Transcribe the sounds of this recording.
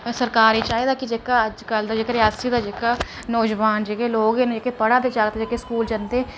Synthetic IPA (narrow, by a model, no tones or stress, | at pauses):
səɾkaːɾit͡ʃaːid̪aːkɪd͡ʒeːkaəd͡ʒkəld̪aːd͡ʒeːkəɾɪɦaːsiːd̪aːd͡ʒeːkaː | nɔːd͡ʒʋaːnd͡ʒeːkeːloːɡened͡ʒekeːpəɽaːd̪eːd͡ʒaːɡt̪ːd͡ʒeːkeskuːld͡ʒənd̪eː